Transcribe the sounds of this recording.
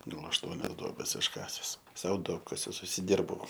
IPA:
ˈɡɐlˠ ɐʃˈtuɔnʲɛs ˈduɔbʲɛs ɪʃˈkɑːsʲɛs ˈsɐʊ ˈduɔpkɐsʲʊs ʊʃʲsʲɪˈdʲɪrbɐʊ

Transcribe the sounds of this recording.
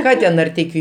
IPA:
ˈkɑː tʲɛn nɐrʲˈtʲɛɪkʲʊ

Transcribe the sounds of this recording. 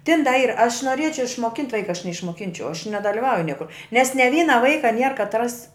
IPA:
tʲɪn dɐ ˈiːr ɐʃ noːˈrʲiɛt͡ʃʲɛʊ ɪʃmoːˈkʲɪnʲtʲ ˈʋɐɪkɐ nʲɛɪʃmoːˈkʲɪnʲt͡ʃʲɛʊ ɐʃ nʲɛdɐlʲɪˈʋɐʊjʊ ˈnʲiɛkʊr nʲɛs nʲɛ ˈʋʲiːnɐ ˈʋɐɪkɐ nʲiɛr kɐtˈrɐs

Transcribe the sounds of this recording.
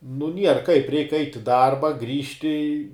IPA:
nʊ ˈnʲiɛr kɐɪp ˈrʲɛɪk ˈɐɪtʲ ɪ ˈdɐrbɐ ˈɡrʲiːʃʲtʲɪ

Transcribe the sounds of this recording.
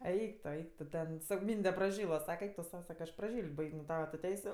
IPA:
ˈɛɪk toː ˈɛɪk toː ˈtʲɛn ˈsɑːkoː ˈmʲiːnʲdʲɛ prɐˈʒʲiːlˠɐ ˈsɑːkʲɛ ˈɛɪk tʊ ˈsɐʊ ˈsɑːkɐ ɐʃ prɐˈʒʲiːlʲtʲ ˈbɐɪkʲ nʊ ˈtɑːʋɐ tʊ ˈtʲɛɪsʲʊ

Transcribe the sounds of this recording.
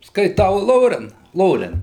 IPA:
skɐɪˈtɐʊ ˈlˠoːrʲɛn ˈlˠoːrʲɛn

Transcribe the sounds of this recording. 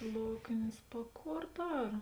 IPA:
ˈlˠoːknʲeːs pɐ ˈkoːr ˈdɐr

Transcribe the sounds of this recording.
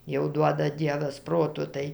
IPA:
jɛʊ ˈduɔdɐ ˈdʲiɛʋɐs ˈproːtoː ˈtɐɪ

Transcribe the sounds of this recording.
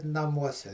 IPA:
nɐˈmuɔsʲɛ

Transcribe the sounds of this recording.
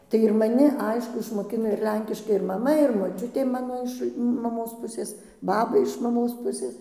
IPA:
tɐɪ ɪr mɐˈnʲɪ ˈɐɪʃkʊ ɪʃmoːˈkʲɪnoː ɪr ˈlʲɛŋʲkʲɪʃkɐɪ ɪr mɐˈmɐ ɪr moːˈt͡ʃʲʊtʲeː ˈmɑːnoː ɪʃ mɐˈmoːs ˈpʊsʲeːs ˈbɑːbɐ ɪʃ mɐˈmoːs ˈpʊsʲeːs

